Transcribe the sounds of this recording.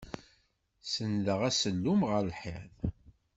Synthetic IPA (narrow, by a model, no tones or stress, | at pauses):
sənðəʁæsəlːumʁəɾlħḛð